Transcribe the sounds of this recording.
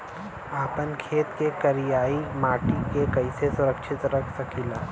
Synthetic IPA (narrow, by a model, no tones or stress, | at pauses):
aːpənkʰeːt̪kekɐɾijaːimaːʈikekɐɪsesʊɾəkʃʰɪt̪ɾɐkʰsɐkʰiːlaː